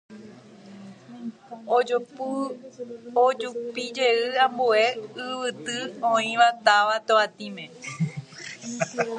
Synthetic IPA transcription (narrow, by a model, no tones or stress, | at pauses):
o | od͡ʒupid͡ʒe̞ɨãmbue̞ɨʋɨt̪ɨõĩʋat̪aʋat̪oat̪ĩmẽ